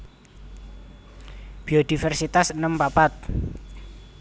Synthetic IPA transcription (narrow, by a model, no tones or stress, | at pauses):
b̥iod̪̥ifɛrsit̪asnəmpapat̪̚